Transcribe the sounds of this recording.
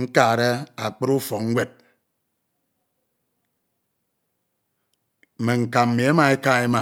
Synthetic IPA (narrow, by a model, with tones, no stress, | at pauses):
ŋ̩˦ka˦˨ɾe˦a˨k͡pɨ˦ɾu˦fo˨ŋ̩˦wʷe˦t̚ | m˨me˨ŋ̩˨ka˨m̩˨mi˨e˦ma˨e˦ka˦˨e˦ma˨